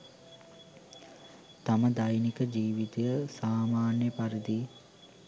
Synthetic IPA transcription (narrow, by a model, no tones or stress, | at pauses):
t̪aməd̪ajnikəd͡ʒiːʋit̪ejəsaːmaːnjəpaɾid̪i